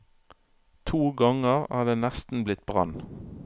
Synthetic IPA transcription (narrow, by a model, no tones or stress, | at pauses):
t̪ʰuːɡɑŋəʁæ̰ːd̪eːnæst̪n̩blɪt̪̚bʁɑ̰n